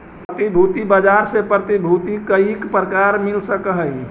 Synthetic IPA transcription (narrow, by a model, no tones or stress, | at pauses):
pət̪ibʱuːt̪ibəd͡ʒaɾsepɾət̪ibʱut̪ikəikpɾəkaɾmɪlsəkəɦəi